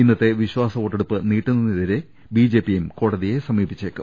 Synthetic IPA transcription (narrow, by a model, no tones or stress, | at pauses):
inːɐt̪ːe̞ʋiɕwaːsɐʋoːʈːeɽupːɨniːʈːunːɐniðɐɾe | biːd͡ʑeːpːijumko̞ːɽɐðije̞sɐmiːbit͡ɕːeːkːɨ